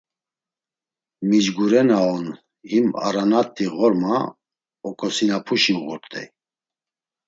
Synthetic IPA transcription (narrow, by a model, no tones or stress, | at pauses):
mid͡ʒɡuɾɛnaɔn | hima̰ɾanat̪ʰʼːiɣɔɾma | ɔkʼɔsinapʰuʃinɣuɾt̪ʼɛ̰j